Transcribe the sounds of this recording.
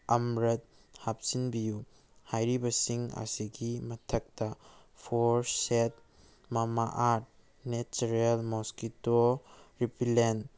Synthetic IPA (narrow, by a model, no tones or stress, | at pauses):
ɐmɾɐt̚ | hap̚sinbiju | hajɾibɐsiŋa̰siɡimɐtʰɐk̚tɐ | pʰoɾset̚ | mɐma̰ʔaɾt̚ | net͡ʃɐɾelmoskitoɾipʰilen